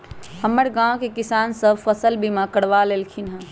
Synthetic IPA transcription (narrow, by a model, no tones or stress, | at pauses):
həmːəɾɡãwkekisaːnsəbfʰəsəlbʱimãkəɽʋalelkʰinɦɛ̃